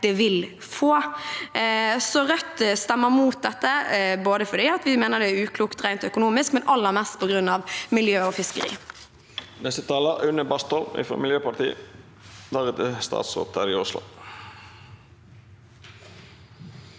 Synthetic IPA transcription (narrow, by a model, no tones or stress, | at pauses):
d̪̥ɛʋɪl | foː | sɔɾœt̪ːst̪ɛmːəmuːt̪̚d̪ɛt̪ːəboːd̪əfɔɖ̪iːɑt̪ʋɪmeːnəd̪ɛæʉːkʰluːkt̪ʁæɪnt̪ɔœkʊnuːmɪskmɛnɑlːəʁmɛst̪pʰɔɡɾʉnːɑʋmɪljøːɔfɪskəɾḭː | nɛst̪ət̪ʰɑːləʔʉnəbɑst̪ʰɔlmɪ̰fɾɔ̰ːmɪljøːpɑʈ̪ḭːə | d̪ɑʁɛt̪ɪst̪ɑ̰ːt̪so̰ːt̪æɾɪʊslʊ̰